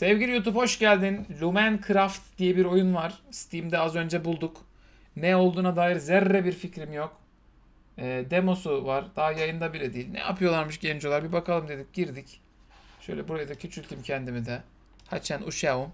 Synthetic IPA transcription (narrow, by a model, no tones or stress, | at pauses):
sɛvɟilʲijut̪̬upho̞ʃɟælʲd̪inlʲumænkʰɯɾaft̪d̪̥ijɛbiɾo̞junvaɾ̥st̪ʰimd̪ɛazø̞nd͡ʒɛbulˠd̪uk | nɛo̞lˠd̪uːnad̪aːjiɾzɛɾːɛbiɾficɾimjok | ɛːd̪emo̞suvaɾd̪̥aːajajɯnd̪abilʲɛd̪iːlʲnɛ̰ja̰pʰɯjo̞lˠaɾmɯʃɟɛnd͡ʒo̞lˠaɾbibakʰalˠɯmd̪e̞d̪ic̚ɟiɾd̪ic | ʃøjlʲɛbuɾajad̪acʰyt͡ʃʰylʲt̪ʰimcʰɛnd̪imid̪ɛ | hat͡ʃʰænuʃaum